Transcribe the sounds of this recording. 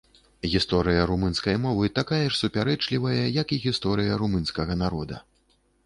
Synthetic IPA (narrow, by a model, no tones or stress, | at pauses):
ɣʲist̪ɔɾɨjɐɾumɨnskɐjmɔvɨt̪akajɐʂsupʲaɾɛt͡ʂlʲivɐjɐjɐkiɣʲist̪ɔɾɨjɐɾumɨnskɐɣɐnaɾɔd̪ɐ̰